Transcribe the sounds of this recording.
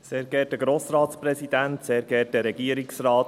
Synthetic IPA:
seːɾɡɛːtəɡɾoːsɾɑːt̪spɾɛsid̥̪ænt̪seːɾɡɛtəɾɛɡ̥iːəɾiksrɑːt

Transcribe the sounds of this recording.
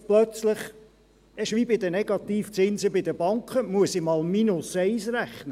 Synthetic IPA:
plœt͡sləχ | ɛʃʋibɪd̪ənɛɡɑt̪iːft͡sɪnzəbɪd̪əbɑŋkχəmuəsɪmɑːlminʊsɛɪsɾæχnə

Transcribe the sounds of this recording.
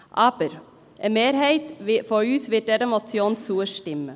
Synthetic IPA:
ʔɑːbəɾ | ʔəmeːɾɦeɪt̪ʋɪfɔɾʉːsʋɪʈ̚dɛɾəmɔt̪sjoːnsuːəʃʈɪmːə

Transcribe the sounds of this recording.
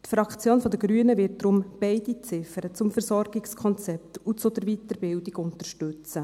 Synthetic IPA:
t̪fɾɑkt͡sjoːnfɔd̪əɡɾyənəvɪt̚d̥ɾʊmb̥ɛɪdit͡sɪfəɾət͡sʊmfɛɾzɔɾɡɪkskʰɔnt͡sɛp̚t̪ut͡sod̪əɾvit̪əɾbɪldɪɡʊntəɾʃtʉt͡sə

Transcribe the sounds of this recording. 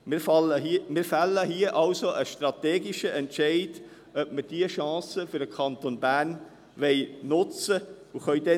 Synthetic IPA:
ɪfɑləmɪːɾfælːəhiəʔɑlsoʔəʃtrɑt̪eːɡɪʃəʔɛntʃɛɪd | œp̚məd̥iəʃɑ̃ːsəfʏɾdəkʰɑnt̪onbæːn | ʋɛɪnʊt͡səuχœʏdɛ

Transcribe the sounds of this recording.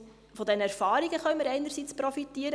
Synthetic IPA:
fɔd̪ɛnəɛɾfɑːɾiɡ̥əχœɥməɾɛɪnəɾsiːt͡spɾɔfitːiəɾə

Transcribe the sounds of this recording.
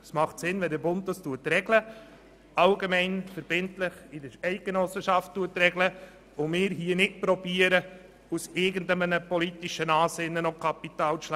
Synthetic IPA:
smɑχtsɪnvɛldəɾbʊnt̚dɑstuətrɛɡlə | ɑlɡemɛɪnfəɾb̥ɪntlɪχɪdəɾɛɪt̚ɡ̥enɔsəʃɑftːuətɾɛɡlə | ʊmɪːɾɦiənɪt̚pɾɔbiəɾə | usɪɡən̩dəmənəpɔlitiʃənɑːsɪnːənokʰɑpit̪ɑːlt͡sl

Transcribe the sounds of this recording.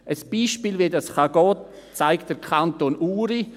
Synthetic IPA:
ʔəsb̥iːʃpiːlʋedasχaɡ̥ɔːt | t͡saɪkt̚d̥əɾkʰantoːnuːɾi

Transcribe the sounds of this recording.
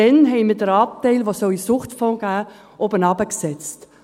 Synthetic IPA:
ɛnɦɛɪmɪd̥əɾɑp̚tɛɪlʋosɔisʊχtfɔ̃ːɡ̥æː | ʔobənɑbəksɛt͡st

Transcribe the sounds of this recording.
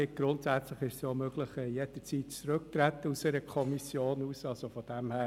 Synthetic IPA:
ɪɡ̥ɾʊntsæt͡sləχɪʃsjomøɡləχɛjɛd̪̥ət͡siːtt͡sɾøk̚t̪ɾæt̪ːəuseɾəkʰɔmisjoːnuːsɑlsofɔd̥ɛmhæː

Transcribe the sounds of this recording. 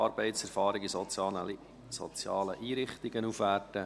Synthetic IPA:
ɑɾbɛɪtsɛɾfɑːɾɪɡisə | sɔ̰t͡sjɑːləʔiːɾɪχt̪ɪɡənufʋærtə

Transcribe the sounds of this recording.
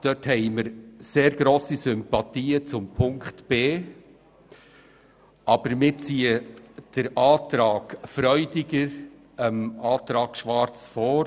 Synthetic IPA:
d̥œthɛɪməɾseːɾɡ̥ɾoːsisʏmpɑt̪iːət͡sʊmpʰʊŋkχtb̥eː | ɑb̥əɾmɪt͡siːəd̥əɾʔɑːt̪ɾɑːɡ̥fɾœʏdɪɡəɾ | əmɑːt̪ɾɑːɡ̥ʃvɑɾt͡sfɔː

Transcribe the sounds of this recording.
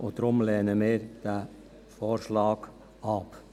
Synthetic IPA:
ʔʊd̥̪ɾʊmlɛːnəmɪːɾd̥æ | foːɾʃlɑːɡ | ɑp

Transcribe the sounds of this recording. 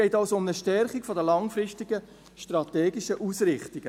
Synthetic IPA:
ɛɪtaʊsoʊməʃtɛɾχikfɔdəlɑŋfɾɪstiɡ̥ə | ʃtrɑteːɡiʃəʔusɾɪχtiɡ̥ə

